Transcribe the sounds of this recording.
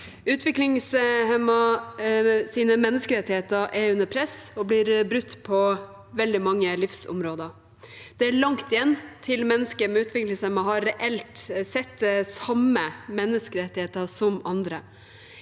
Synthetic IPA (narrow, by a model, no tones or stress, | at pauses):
ʉːt̪ʰʋɪklɪŋshɛmɑ | siːnəmɛnːəskəɾɛt̪ːɪheːt̪əɾʔɛɾʉnːəpʰɾɛsɔblɪɾbɾʉt̪ːpʰɔ | ʋɛld̪ɪmɑŋːəlɪfsʊ̰mɾoːd̪əɾ | d̪̥ɛæɭɑŋkt̪ɪjɛnːt̪ʰɪlmɛnːəskəɾmɛʉːt̪ʰʋɪklɪŋshɛmɑɦɑɾːɛʔɛlt̪sɛt̪ːsɑməmɛnːəskəɾɛt̪ːɪheːt̪əsɔmɑnd̪ɾə